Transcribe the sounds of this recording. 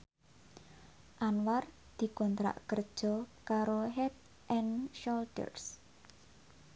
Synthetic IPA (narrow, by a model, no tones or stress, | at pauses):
ʔanwar | d̪̥i̤kɔnt̪ɾa̰ʔkərd̥ʒ̥ɔ̤kaɾoɦɛt̪̚ | ʔɛnʃɔlt̪ə̰rs